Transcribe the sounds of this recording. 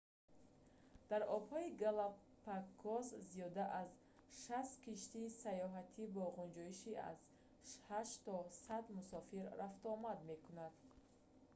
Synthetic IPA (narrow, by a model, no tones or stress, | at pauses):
d̪̥aɾɔbhɔiɡala | pakʰːɔzzijɔd̪aʔaz | ʃast̪kʰiʃt̪iːsajɔɦat̪ʰibɔʁund͡ʒɔiʃia̰z | ʃhaʃt̪ɔsad̪musɔfiɾːaft̪ɔmad̪me̞kʰunad̪̥